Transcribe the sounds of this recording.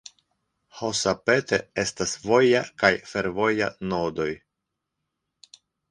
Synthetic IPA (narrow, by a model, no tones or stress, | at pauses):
ho̞sape̞te̞e̞stasvo̞jakajfe̞ɾvo̞ja̰nodo̞j